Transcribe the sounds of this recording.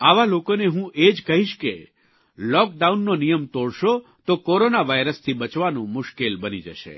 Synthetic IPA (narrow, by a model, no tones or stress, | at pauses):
aʋalokoneɦũʔed͡ʒkəɦiʃke | lɔk̚ɖaunːonijəmt̪oɽʃo | t̪okoɾonaʋajɾəst̪ʰibət͡ʃʋanũmʊʃkelbənid͡ʒəʃḛ